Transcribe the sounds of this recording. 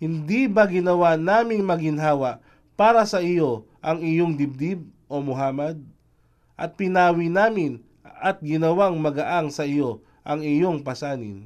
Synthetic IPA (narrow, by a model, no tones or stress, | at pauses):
hɪnd̪ibɐɡɪnɐwanaːmɪŋmɐɡɪnɦaːwɐʔ | paːɾɐsɐʔɪjo̞ | ʔɐŋɪjoŋd̪ɪb̚d̪ɪb̚ʔo̞mʊɦaːmɐd̪̚ | ʔɐt̪̚pɪnaːwinaːmɪn | ʔɐt̪̚ɡɪnɐwaŋmɐɡɐʔaŋsɐʔɪjo̞ | ʔɐŋɪjo̞ŋpɐsaːnɪ̰n